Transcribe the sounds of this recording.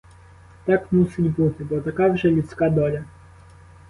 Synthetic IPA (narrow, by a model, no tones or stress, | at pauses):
t̪akmusid͡ʑʲbut̪ɘbɔt̪akavʐɛlʲut̪skad̪ɔlʲa